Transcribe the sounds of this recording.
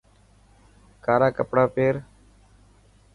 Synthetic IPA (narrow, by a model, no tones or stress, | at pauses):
kaːɾaːkəpɽaːpeːɾ